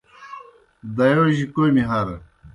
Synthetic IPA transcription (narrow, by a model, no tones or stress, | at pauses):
d̪ɐjoʑikojmiɦɐɾ